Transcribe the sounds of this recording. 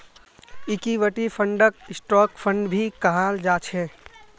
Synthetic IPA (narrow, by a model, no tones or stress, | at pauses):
ikiʋəʈipʰəɳɖək̚ɪsʈɔːkpʰəɳɖbʱikəɦald͡ʒat͡ʃʰɛ